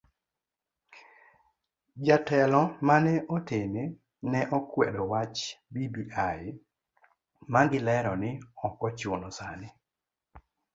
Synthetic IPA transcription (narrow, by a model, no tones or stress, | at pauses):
d͡ʒatɛlɔmanɛʔotene | nɛʔɔkwḛdɔwat͡ʃbibiʔaɪ | maŋɡɪlɛɾɔnɪɔkɔt͡ʃonɔsanɪ